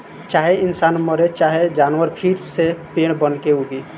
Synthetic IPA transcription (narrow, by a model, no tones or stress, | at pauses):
t͡ʃaːɦeɪnsaːnməɾet͡ʃaːɦed͡ʒaːnwəɾpʰiɾsepeːɽ̃bənkeuɡi